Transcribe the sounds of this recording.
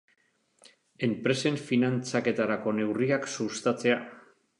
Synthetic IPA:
e̞mpɾe̞se̞ɱfinant͡sake̞t̪aɾako̞ne̞wriaksust̪at͡se̞a

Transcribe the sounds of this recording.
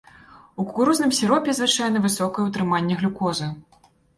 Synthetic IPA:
uku̥kuɾuznɨmsʲiɾɔpʲɛzvɨt͡ʂajɛnɐvɨsɔkɐjɛut̪ɾɨmanʲːɛɣlʲukɔzɐ

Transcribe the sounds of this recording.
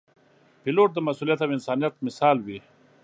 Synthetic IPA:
piloʈ̚d̪əmasuːlijat̪awɪnsaːnijat̪̚mɪsɑːlwi

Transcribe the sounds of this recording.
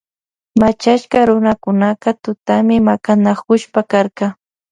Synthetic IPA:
mat͡ʃaʃkɑɾʊnakʊnaqɑt̪ʊt̪amɪmakanakʊʃpakaɾqɑ

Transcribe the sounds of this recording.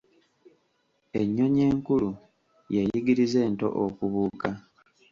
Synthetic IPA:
e̞ɲːo̞ɲe̞ːŋkulu | jejiɡiɾize̞ːnto̞̰ʔokuβuːka

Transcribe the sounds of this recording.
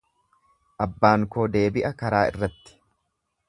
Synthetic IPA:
ʔɐbːaːŋko̞ːd̪e̞ːbɪʔɐkɐɾaːɪ̰rːɐt̪ːɪ̥

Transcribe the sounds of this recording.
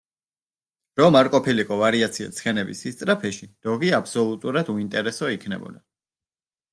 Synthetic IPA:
ɾɔmaɾkʼɔpʰilikʼɔvaɾiat̪sʰia̰t̪sʰχɛnɛbisist̪sʼɾapʰɛʃid̪̥ɔɡiapʰsɔlˠut̪ʼuɾad̪uint̪ʼɛɾɛsɔikʰnɛ̰bɔ̰d̪a

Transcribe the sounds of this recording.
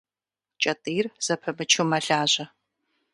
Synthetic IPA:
t͡ʃʼɐtʼiːrz̥ɐpʰɐmɨt͡ʃʰuwmɐɮaːʑɐ

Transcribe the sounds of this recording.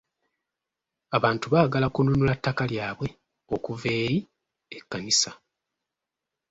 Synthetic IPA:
aβaːntuβaːɡalakununulatːakaljaːβwe̞ | o̞kuve̞ːji | ekːanisa

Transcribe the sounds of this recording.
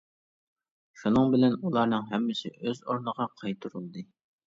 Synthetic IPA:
ʃunɨŋbɪlɛnulˠɑɾnɨŋɦɛmːɪsɪ̰ʔøzoɾnəʁɑqʰɑjt̪ʰɾulˠd̪ɨ

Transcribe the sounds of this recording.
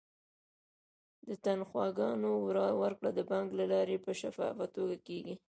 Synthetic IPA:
d̪ət̪anxwɑɡɑnowɾɑwəɾkɽad̪əbɑŋɡlalɑɾepəʃafɑ̰fat̪oɡakeɡi

